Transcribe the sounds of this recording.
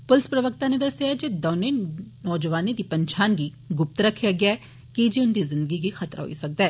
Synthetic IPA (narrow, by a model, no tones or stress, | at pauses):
pʊlɪspɾɐʋək̚t̪aned̪ɐsjaɛd͡ʒed̪ɔːnenɔːd͡ʒəʋaːnid̪ipɐ̃ɲt͡ʃʰaːnɡi | ɡʊp̚t̪ɾɐkʰːjaɡjaɛ | kid͡ʒiʊnd̪izɪ̃nd̪əɡiɡixʰɐt̪ɾa̰ɦo̰isɐk̚d̪eː